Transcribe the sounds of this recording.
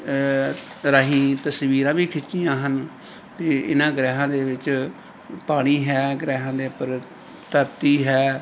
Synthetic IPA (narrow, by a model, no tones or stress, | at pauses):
ɾaːɦĩːt̪əsʋiːɾãːʋiːkʰɪt͡ʃːijãːɦən | t̪eːɪ̰nãːɡɾɛːɦãːd̪eːʋɪt͡ʃ | paːɽ̃iːɦɛːɡɾɛːɦãːd̪eːpəɾ | t̪əɾt̪iːɦɛː